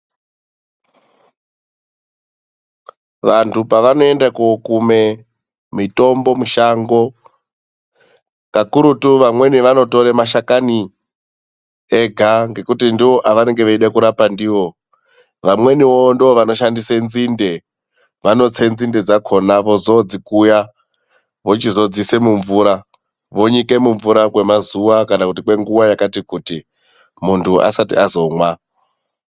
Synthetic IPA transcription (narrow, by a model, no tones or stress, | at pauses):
ʋantupaʋano̞e̞ndakokume̞ | mito̞mbo̞muʃaŋɡo̞ | kakuɾutuʋamwe̞niʋano̞to̞ɾemaʃakani | eɡʱaŋɡe̞kutindio̞ʔaʋane̞ŋɡe̞ʋaiɗakuɾapandiʋo̞ | ʋamwe̞niʋondioʋano̞ʃandisenzinde̞ | ʋano̞t͡se̞nzinde̞d͡zakʰo̞naʋo̞zo̞d͡zikuja | ʋo̞t͡ʃizo̞d͡zise̞muɱvuɾa | ʋo̞ɲike̞muɱvuɾakwe̞mazuʋakanakutikwe̞ŋɡuwajakatikuti | muntʰuʔa̰satḭazo̞ŋwa